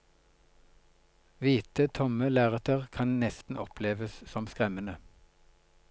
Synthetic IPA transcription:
ʋiːt̪ət̪ʰɔməlæːʁət̪ʰəʁkʰɑnnɛst̪n̩ʔɔpʰleːʋəssɔmskʁɛmənə

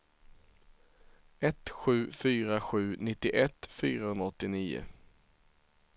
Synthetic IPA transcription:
ɛt̪ɧʉ̟ːfyːɾaɧʉ̟ːnɪt̪ːɪʔɛt̪ːfyːɾahɵnaɔt̪ːɪniːʊ̰

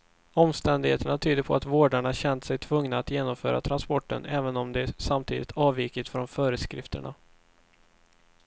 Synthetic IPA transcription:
ɔmst̪ɛnd̪ɪɡheːt̪əɳat̪ʰyːd̪əɾpʰɔat̪voːɖaɳaɕɛnt̪sɛjt̪ʰvɵŋnaːt̪jeːnɔmfœ̰ːɾʔa̰t̪ʰɾanspɔʈːə̰nʔɛːvənɔmd̪ɛsamt̪ʰḭːd̪ɪt̪ʰɑːviːkɪt̪fɾɔnfœːɾəskɾɪ̰ft̪ə̰ɳa̰

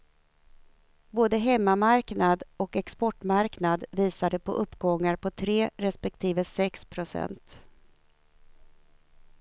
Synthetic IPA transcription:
boːd̪əɦɛmːamaɾknad̪ɔkɛkspɔʈmaɾknad̪viːsad̪əpʰɔ̰ʔɵpːɡɔŋːaɾpʰɔt̪ʰɾeːɾɛspɛkt̪ʰiːvəsɛkspʰɾʊsɛ̰nt̪

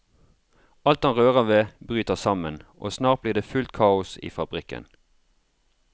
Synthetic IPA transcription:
ʔɑlt̪hɑnʁøːʁəʋeːbʁyːt̪əʁsɑmənʔo̰ːsnɑːʁt̪̚bliːʁd̪eːfʉlt̪kʰɑːʊsḭːfɑbʁɪkə̰n

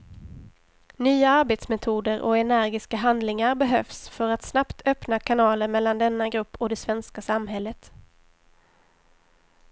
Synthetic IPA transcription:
nyːaaɾbeːt̪smɛt̪ʰuːd̪əɾʔɔ̰ɛnæɾɡɪskaɦand̪lɪŋaɾbɛɦœfsfœɾat̪snapt̪ʰœpnakʰanɑːləɾmɛlːand̪ɛnːaɡɾɵpːɔd̪ɛsvɛnskasamːɦɛlːət̪

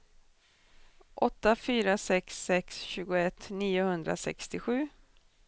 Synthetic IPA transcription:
ʔɔt̪ːafyːɾasɛksːɛksɕʉ̟ːɡʊɛt̪ːniːʊhɵnd̪ɾa̰sɛ̰kst̪ɪɧʉ̟ː

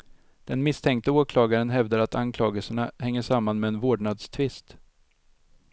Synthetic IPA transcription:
d̪̥ɛnmɪst̪ʰɛŋkt̪əoːkʰlɑːɡaɾənɦɛvd̪aɾat̪ʰankʰlɑːɡəlsəɳahɛŋːəʂamːanmɛːnvoːɖɳad̪st̪ʰvɪst̪

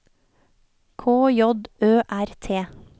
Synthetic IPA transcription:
kʰoːjɔd̪øːʔæɾt̪ʰeː

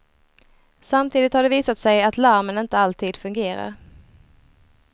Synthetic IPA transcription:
samt̪ʰiːd̪ɪt̪haɖɛviːsat̪sɛjat̪læɾmənɪnt̪əalt̪ʰiːd̪̥fɵŋɡeːɾa̰ɾ

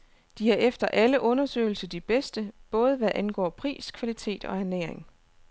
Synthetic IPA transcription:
d̥ihɑ̈ʔefd̥ɐʔæləʔɔ̽nɐsø̰ːɪl̩səd̥ib̥esd̥əb̥ɔ̽ːð̞ˠəʋæʔænɡ̥ɒ̰ːpʰʁḭːskʰʋælit͡sʰe̝̰ːd̥ɒ̽æɐnḛːeŋ

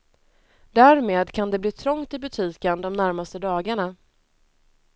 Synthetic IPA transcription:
d̪æːɾmeːd̪kʰand̪ɛbliːt̪ʰɾɔŋt̪ɪbɵt̪ʰiːkənd̪ɔmnæɾmast̪əd̪ɑːɡaɳa

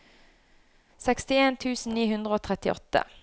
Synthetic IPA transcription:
sɛkst̪ɪeːnt̪ʰʉːsn̩niːhʉnd̪ʁəoːt̪ʰʁɛt̪ɪʔɔ̰t̪ːə̰

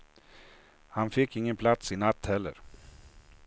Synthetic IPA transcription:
hanfɪkːɪŋːənpʰlat̪sɪnat̪ːhɛlːə̰ɾ

